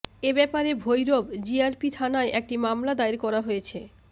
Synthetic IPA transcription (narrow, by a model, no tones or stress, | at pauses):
ebɛpaɾebʱojɾobd͡ʑiaɾpit̪ʰanaeʔek̚ʈimamlad̪aiɾkɔɾaɦojet͡ɕʰe